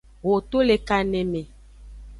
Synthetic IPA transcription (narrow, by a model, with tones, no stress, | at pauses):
wo˨t̪o˦le˨ka˨nẽ˨mẽ˨